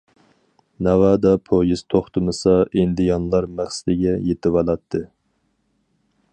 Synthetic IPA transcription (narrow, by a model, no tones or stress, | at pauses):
nævɑd̪ɑpʰojiz̥t̪ʰoχt̪ʰɨmɨsɑʔind̪ɪjɑnlˠɑɾmæχsɪd̪ɪɡʲɛjet̪ɪwɑlˠɑt̪ʰːɨ